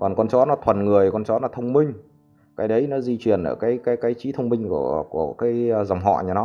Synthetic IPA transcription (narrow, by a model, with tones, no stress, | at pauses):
kɔ˨˩nkɔ˧nt͡ɕɔ˨˦˥nɔ˨˦t̪ʰwə˨˩nŋɨ˨˩əjkɔ˧nt͡ɕɔ˨˦nɔ˨˦t̪ʰə˧wŋ͡mmï˧ŋ̟ | kaː˨˦jɗə˨˦jnɔ˨˦zi˧t͡ɕwi˨˩ənʔə̰ː˧˩kaː˨˦jkaː˨˦jkaː˨˦jt͡ɕi˨˦t̪ʰə˧wŋ͡mmï˧ŋ̟ku˧˩əku˧˩əkaː˨˦jza˨˩wŋ͡mɦɔ̰˧˨ɲa˨˧˩nɔ˨˦